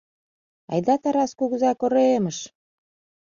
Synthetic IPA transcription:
ɑ̰jd̪ɑt̪ɑɾɑskuɣəzɑkoɾoeməʃ

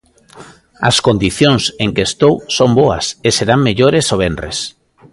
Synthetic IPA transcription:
ɐ̰skond̪iθjoŋseŋkest̪owsomboɐ̰seseɾaŋmeʎoɾesoβenrḛs

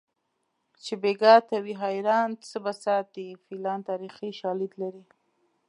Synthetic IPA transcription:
t͡ʃebeɡɑt̪awiɦajɾɑnt͡səbasɑt̪̚ifilɑnt̪ɑɾixiʃɑlid̪laɾi

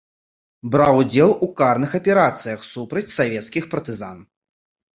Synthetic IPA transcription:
bɾawd͡zʲɛlˠukarnɨxɐpʲɛɾat̪sɨjɐxsupɾɐt͡sʲsavʲɛt̪skʲixpɐrt̪ɨza̰n

